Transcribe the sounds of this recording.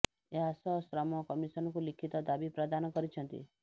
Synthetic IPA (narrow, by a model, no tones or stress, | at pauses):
eɦasɔsɾamɔkɔmiʃənɔkulikʰit̪ɔd̪abipɾəd̪ankɔɾit͡ʃʰə̃nt̪ḭ